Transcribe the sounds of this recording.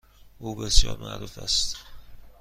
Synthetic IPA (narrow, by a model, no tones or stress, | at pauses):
ʔuːbesjɒ̰ːɾmʔæ̰ʔɾuːfæst̪